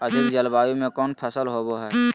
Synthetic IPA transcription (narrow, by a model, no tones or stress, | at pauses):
əd̪ɪkd͡ʒəlbaːjõmẽkɔːnpʰəsəlɦoboɦɛː